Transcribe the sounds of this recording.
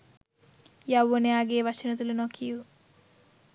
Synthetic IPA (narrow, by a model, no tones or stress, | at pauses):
jawːonejaːɡeːʋat͡ʃinɐt̪ulunokʰiju